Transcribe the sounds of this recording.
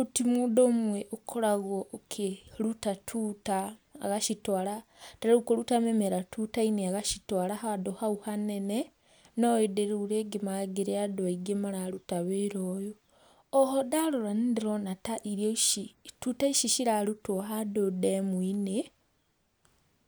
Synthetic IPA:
utimudomweʔokʰoɾaɣoʔːkʰelutatʰuta̰ːɣaʃitwalataɾukoɾutamemeɾatutaineaɣaʃitwaːlaɦadohauhanene | noedeɾuːɾeɡemaɡeɾeadoiɡemaɾaɾutaβeɾojo | ɔɦodaloɾanidiɾonataʔiɾjoʃitutaiʃiʃiɾaɾutwoɦadodemwine

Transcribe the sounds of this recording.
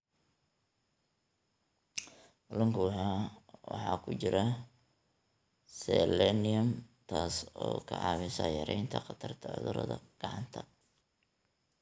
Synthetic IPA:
bʊlɐŋkʊɦawɑ̰ħɑːkʰʊt͡ʃɪɾɐ | sɛlɛnɪɐmt̪ʰaːsɔːkʰɐʕɑːβɪsɐːjɐɾɛjnt̪ʰɐχqɑt̪ʰɐrt̪ʰɐʕʊ̰ðʊɾɐ̰ðɐɡ̥ɑʕɑnt̪ʰɐ

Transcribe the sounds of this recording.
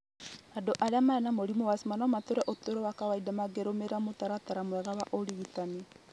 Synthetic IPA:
adoʔaɾeamaɛnamoɾimowasimanɔmat̪oɾɛʔot̪oɾɔwakawaidamaɡeɾomeɾamot̪aɾat̪aɾamwɛɣawaʔoɾiɣitani

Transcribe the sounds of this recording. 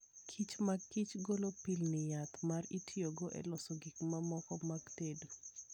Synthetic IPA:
kʰit͡ʃmakit͡ʃɡolopilnɪjat̪maritjoɡoʔɛ̰lɔsɔɡikmamɔkɔmaɡtedu

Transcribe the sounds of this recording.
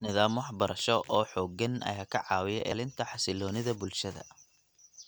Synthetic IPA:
nɪðaːmwɑħbɐɾɐʃɔʔɔːħɔːɡɐnɐ̰jaːkʰɐʕɑːwɪjɛ̰ʔɛ̰ːlɪnt̪ʰɐħɑsɪlɔːnɪðɐbʊlʃɐðɐ̰

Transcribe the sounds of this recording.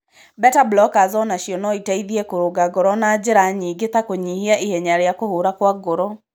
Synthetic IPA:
bɛtablɔkazɔnaɕiɔnɔitaiðiɛkoɾoɡaɡɔɾɔnad͡ʑeɾaɲiːɡet̪akoɲihiaʔihɛɲaɾeakohoɾakwaɡoɾɔ

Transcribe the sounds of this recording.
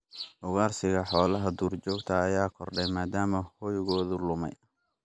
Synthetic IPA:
ʔʊɣaːrsɪɣɐħɔːlɐɦɐd̪uːrt͡ʃɔːɡt̪ʰɐːjaːkʰɔrɖɛjmaːd̪aːmɐhɔjɣɔːðʊlʊmɛ̰j

